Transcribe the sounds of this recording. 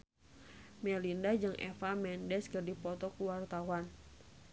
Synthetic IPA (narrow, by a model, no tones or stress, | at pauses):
mɛlindad͡ʒɨŋʔɛ̰famɛndɛskərdipɔt̪ɔkuwart̪awan